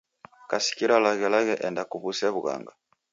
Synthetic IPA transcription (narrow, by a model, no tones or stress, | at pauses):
kasi̥kiɾalaɣɛlaɣɛʔɛndakuβusɛβuɣa̰ŋɡa